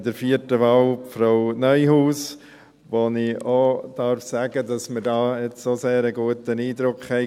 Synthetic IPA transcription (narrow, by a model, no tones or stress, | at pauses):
dəɾfiətəʋɑːwfɾaʊnœʏɦuːs | ʋonɪod̥ɑɾfsæːɡədɑsməɾdɑːɛt͡ssoseːɾəɡuətəniːd̪ɾʊkχhɛɪ